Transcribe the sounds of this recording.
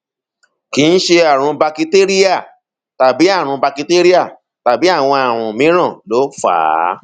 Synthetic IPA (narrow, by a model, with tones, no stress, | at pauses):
ki˨˦˧n̩˦ʃe˧a˦˨ɾ̃ũ˧ba˧ki˧te˦ɾi˦a˦˨ | ta˨bi˨˦a˦˨ɾ̃ũ˧ba˧ki˧te˦ɾi˦a˦˨ | ta˨bi˨˦a˦˨w̃ɔ̃˧a˨ɾ̃ũ˨mĩ˨˦ɾ̃ã˦˨lo˨˦fa̰ː˨˦˨